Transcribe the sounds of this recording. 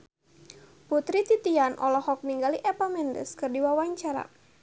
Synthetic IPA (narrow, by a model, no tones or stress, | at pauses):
put̪ɾit̪it̪ianʔɔlɔhɔk̚niŋɡaliʔɛpamɛndə̰skɨrdiwawaɲt͡ʃaɾa̰